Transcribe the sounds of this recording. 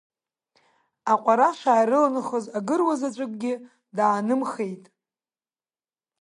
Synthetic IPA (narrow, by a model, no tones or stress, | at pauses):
aqʷʼaɾaʃʷaːjɾɨlanɨχəzaɡɨrwazat͡ʃʷʼʊkʷʼɡʲɪ | daːnɨmχejtʼ